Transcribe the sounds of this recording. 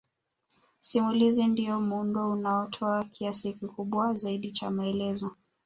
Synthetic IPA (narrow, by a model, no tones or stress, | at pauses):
simulizindiɔmundɔunaɔtʰɔakʰiasikikuɓwazaiɗit͡ʃa̰maɛlɛzɔ